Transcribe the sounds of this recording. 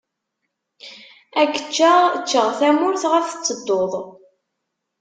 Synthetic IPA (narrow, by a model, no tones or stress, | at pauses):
ækːə̥t͡ʃːaʁt͡ʃːəʁθæmʊɾθʁæθə̥t͡sːəd̪ːoðˤ